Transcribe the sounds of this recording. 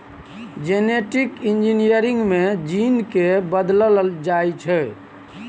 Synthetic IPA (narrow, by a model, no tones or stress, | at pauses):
d͡ʒeneʈikind͡ʒinijəɾiŋɡmed͡ʒinkebəd̪ləld͡ʒajt͡ʃʰɛ